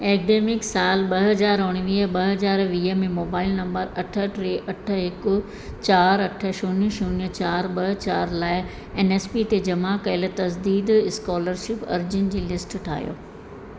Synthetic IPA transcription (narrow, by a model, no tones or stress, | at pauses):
eːkɖeːmɪksaːlɓɐɦɐzaːɾʊɽ̃ɪʋiːɦəɓɐɦɐzaːɾʋiːɦəmẽmoːbaːɪlnɐ̃mbəɾɐʈʰə̆ʈɾeːʔɐʈʰə̆ɦɪkʊ | t͡ɕaːɾɐʈʰə̆ʃuːnjəʃuːnjət͡ɕaːɾɓɐɦt͡ɕaːɾlaːɪ | eːneːspit̪ed͡ʑɐmakɐɪlət̪ɐzd̪iːd̪ɪskɔːləɾʃɪpɐ̰ɾd͡ʑʊnɪ̆d͡ʑiːlɪsʈʈʰa̰ːɦjo̰ː